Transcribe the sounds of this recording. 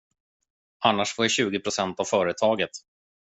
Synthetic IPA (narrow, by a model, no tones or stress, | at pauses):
anːaʂfoːjaɕʉ̟ːɡɪpʰɾʊsɛnt̪avfœːɾət̪ʰɑːɡət̪